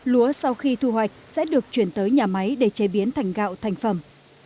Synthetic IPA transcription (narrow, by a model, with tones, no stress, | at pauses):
lu˨˦əsa˧wxi˧t̪ʰu˧hwa˨˩jk̟̚sɛ̰˧˥ɗɨ˨˩ək̚t͡ɕwi˧˩ənt̪əː˨˦jɲaː˨˩ma˨˦jɗe˧˩t͡ɕe˨˦ɓi˨˦ənt̪ʰa˨˧˩jŋ̟ɣa̰ː˧˨wt̪ʰa˨˩jŋ̟fə˧˩m